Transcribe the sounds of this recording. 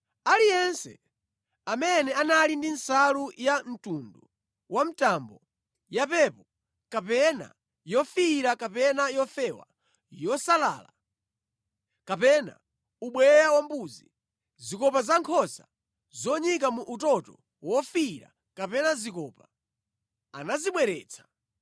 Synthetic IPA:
alijɛnsɛ̰ | amɛnɛanalindinsalujan̩tundu | wam̩tambɔ | japɛpɔ | kapɛna̰ | jɔfiɾakapɛnajɔfɛwa̰ | jɔsala̰ːla | kapɛna̰ | uɓwɛjawambuzi | zikɔpazaŋkʰɔsa | zɔɲikamuʔutɔtɔ̰ | wɔfiɾa̰ | kapɛnazikɔpa | a̰naziɓwɛɾɛ̰ːt͡sʰḁ

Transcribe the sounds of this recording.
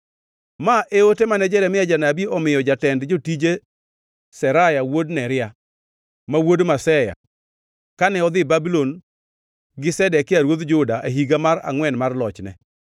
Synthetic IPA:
maʔeotemanɛd͡ʒɛɾɛmɪjad͡ʒanabiɔmɪjɔd͡ʒatɛndd͡ʒotid͡ʒe | sɛɾajawodnɛɾɪa | mawodmasɛja̰ | kanɛɔd̪ɪbabilon | ɡɪsɛdɛkːɪaɾwod̪d͡ʒʊdaʔaɦiɡamaɾa̰ŋwɛnmarlɔt͡ʃnɛ̰

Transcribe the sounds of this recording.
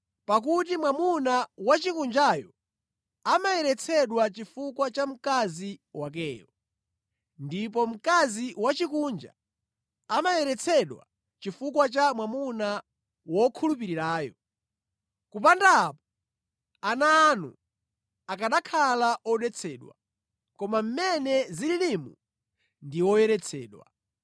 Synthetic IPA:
pak̬utimwamunawat͡ʃikund͡ʒajɔ | amajɛɾɛt͡sʰɛɗwat͡ʃifukwat͡ʃam̩kaziwak̬ɛːjɔ | ndipɔm̩kaziwat͡ʃikuːnd͡ʒa̰ː | majɛɾɛt͡sʰɛɗwa̰ | t͡ʃifukwat͡ʃamwamuna | wɔkʰulupiɾiɾaːjɔ | kupandaːpɔ̥ | anaːnṵ | akaɗakʰalaʔɔɗɛt͡sʰɛɗwa̰ | kɔmam̩mɛnɛzililimu | ndiwɔjɛɾɛt͡sʰɛːɗwa̰

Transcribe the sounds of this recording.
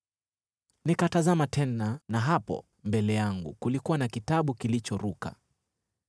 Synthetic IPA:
nikatazamatʰɛnanaɦapɔ̰ | mbɛlɛjaŋɡṵkulikuwanakitaɓukilit͡ʃɔɾuka̰

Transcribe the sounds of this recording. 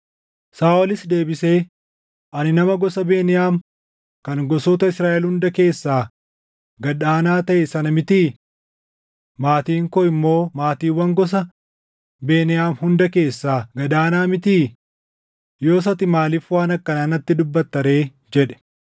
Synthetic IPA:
saːʔɔlɪsd̪e̞ːbɪse̞ː | ʔɐnɪnɐmɐɡɔsɐbeːnɪjaːm | kɐŋɡɔsɔːt̪ɐɪsɾaːʔɛlhʊnd̪ɐke̞ːsːaː | ɡɐᶑaːnaːt̪ɐʔesɐnɐmɪt̪iː | maːt̪iːŋkɔːɪmːo̞ːmaːt̪iːwːɐŋɡɔs̬ɐ | be̞ːnɪjaːmhʊnd̪ɐke̞ːsːaːɡɐd̪aːnaːmɪt̪iː | jo̞ːs̬ɐt̪ɪmaːliːfwaːnɐkːɐnaːnɐt̪ːɪd̪ʊbːɐt̪ːɐɾe̞ː | d͡ʒɛᶑɛ̥

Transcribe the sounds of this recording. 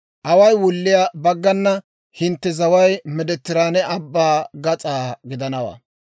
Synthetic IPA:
ʔɐwɐjwʊlːɪjabɐɡːɐnːɐ | hɪnt̪ːɛzɐwɐjmɛd̪ɛt̪ːɪɾaːnɛʔɐbːaːɡɐt͡sʼaːɡɪd̪ɐnɐwɐ̰ː

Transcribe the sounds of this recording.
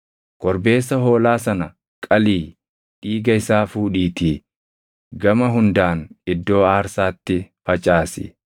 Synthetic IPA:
kʼɔɾbe̞ːsːɐɦo̞ːlaːsɐnɐ | kʼɐliː | ᶑiːɡɐɪsaːfuːᶑiːt̪iː | ɡɐmɐɦʊnd̪aːnɪd̪ːo̞ːaːɾsaːt̪ːɪfɐt͡ʃʼaːsɪ̰

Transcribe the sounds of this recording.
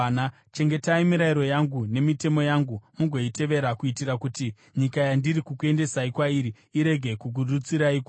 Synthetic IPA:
na | t͡ʃe̞ŋɡe̞taimiɾaiɾo̞jaŋɡune̞mite̞mo̞jaŋɡumuɡʱo̞ite̞ʋe̞ɾakuitiɾakuti | ɲikajandiɾikukue̞nde̞saikwaiɾi | iɾe̞ɡʱe̞kuk̬urut͡siɾaik

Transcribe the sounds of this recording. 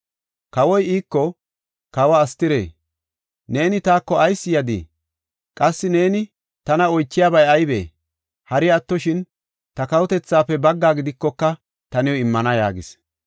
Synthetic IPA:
kɐwɔjiːkːɔ | kɐwɐːst̪ːɪɾḛː | ne̞ːnɪt̪aːkːɔɐjsːɪjɐd̪ḭ | kʼɐsːɪne̞ːnɪ | t̪ɐnɐɔjt͡ʃːɪjaːbɐjɐjbḛː | hɐɾɪɐt̪ːɔʃɪn | t̪ɐkɐwɔt̪ɛt͡sːaːpːɛbɐɡːaːɡɪd̪ɪkːɔkːɐ | t̪ɐnɛwɪmːɐnɐja̰ːɡɪ̰s

